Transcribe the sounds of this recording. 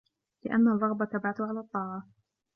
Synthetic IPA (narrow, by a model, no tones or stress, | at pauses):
lɪʔa̰nːarˤːɑɣbat̪abʕat̪ʊʕalaːt̪ˤːɑːʕɑ